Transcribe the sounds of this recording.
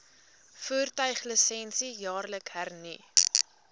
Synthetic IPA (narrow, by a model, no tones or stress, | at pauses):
fuːrtœɥχləsɛnsijɑːrləkɦærni